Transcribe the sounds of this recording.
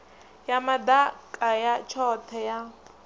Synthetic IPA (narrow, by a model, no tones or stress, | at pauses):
jamad̪akʼajat͡ʃʰɔt̪ʰɛja